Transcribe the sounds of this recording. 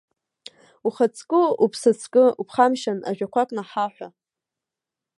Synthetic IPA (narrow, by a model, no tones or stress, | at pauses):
uχat͡sʰʼkʼɨupʰsɨt͡sʰkʼɨupʰχamʃana̰ʒᶣakʷʰakʼnaħaħᶣʷa